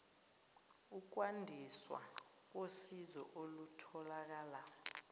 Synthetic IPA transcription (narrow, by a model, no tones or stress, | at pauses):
uk̬wandʱiswa̰k̬osizɔ̰ʔolutʰɔlak̬aːla